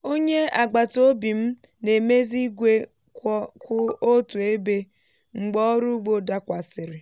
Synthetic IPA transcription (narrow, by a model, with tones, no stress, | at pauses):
o˦ɲe˦a˨ɡ͡ba˨to˦bi˨m̩˦ | ne˨me˦zi˦ɡʷe˦ | kkʊ˦o˦tu˨e˦be˦ | ŋ͡m̩˨ɡ͡bɔ˦ɾu˦ɡ͡bo˨da˦kʷa˨sɪ˨ɾɪ˨